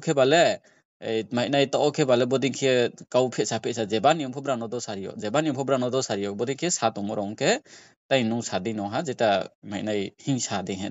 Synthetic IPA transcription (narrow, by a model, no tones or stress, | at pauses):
kʰɛbalɛ | jmaj̚najt̪ɔʔɔkʰɛbalɛbɔd̪iŋkʰiɛkawpʰɛt̚sapʰɛsazɛbanijɔmʰɔbɾanɔd̪ɔsaɾijɔ̰ʔzɛbanijɔmpʰɔbɾanɔd̪ɔsaɾijɔk̚bɔd̪iŋkʰiɛsat̪ɔmɔɾɔŋkʰɛ | tajnɔwsadinɔɦazɛtamajnajhiŋsad̪ɛɦɛn